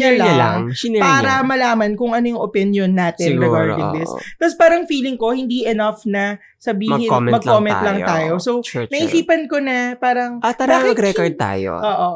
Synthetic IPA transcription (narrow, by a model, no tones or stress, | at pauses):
ɛlɐlŋpaːɾɐmɐlaːmɐnkʊŋʔɐnojʊŋʔopɪnjonːaːt̪ɛnɾɛɡaɹɪŋd̪ɪst̪ɐspaːɾɐŋfiːlɪŋko̞hɪnd̪iʔɛnɐfnɐ | sɐbiːhɪmmɐɡ̚koːmɛ̃nt̪lɐŋt̪aːjosownɐʔisiːpɐnko̞nɐpaːɾɐŋat̪ɐbaɪɐɡɾɛkod̪̚t̪a̰ːjo̰ʔoːʔo